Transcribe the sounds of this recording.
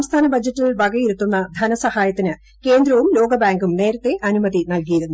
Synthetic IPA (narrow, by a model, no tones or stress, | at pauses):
ɐmst̪ʰaːnɐbɐd͡ʑːɐtːilbɐɡɐjiɾut̪ːunːɐd̪ʱɐnɐsɐhaːjɐt̪ːinɨ | ke̞ːnd̪ɾɐʋumlo̞ːɡɐbaːŋɡumne̞ːɾɐt̪ːe̞ʔɐnumɐðinɐlkijiɾunːu